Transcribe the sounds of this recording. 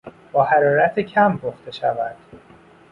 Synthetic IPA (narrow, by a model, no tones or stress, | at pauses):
b̥ɒːhæɾɒːɾæt̪ʰecʰæmboxt̪e̞ʃævæd̪̥